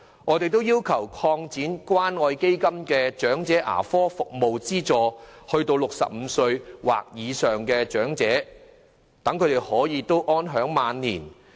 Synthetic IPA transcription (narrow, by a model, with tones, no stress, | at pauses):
ŋʔɔː˨˧t̪e˨jt̪o˥wjiː˥wkʰɐ˨˩wkʰɔː˧ŋt͡siː˨˥nkʷwaː˥nɔː˧jke˥jkɐ˥mkɛː˧t͡ʃœː˨˥ŋt͡sɛː˨˥ʔa̰ː˨˩fɔː˥fʊ˨k̚mo˨wt͡siː˥t͡ʃɔː˧hɵ˧ɥt̪o˧wlʊ˨k̚sɐ̰˨p̚m̩˨˧sɵ˧ɥwa̰ː˨k̚jiː˨˧sœː˨ŋkɛː˧t͡ʃœː˨˥ŋt͡sɛː˨˥ | t̪ɐ˨˥ŋkʰɵ˨˧t̪e˨˩hɔː˨˥jiː˧t̪o˥wʔɔː˥nɦœː˨˥ŋmaː˨˧nːiː˨˩n